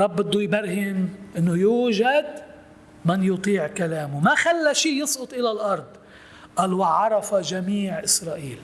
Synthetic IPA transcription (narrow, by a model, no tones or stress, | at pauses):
ɑbːɪd̪ːujbaɾhɪnʔɪnːʊjuːʒad̪ | mɪnjʊt̪ˤiːʕkalaːmʊmaxalːaʃiːjɨsˤʔʊt̪ˤʔɪlalʔɑɾˤd̪ˤ | ʔaːlwaʕɑɾˤɑfaʒamiːʕʔɪsɾˤɑːʔiːl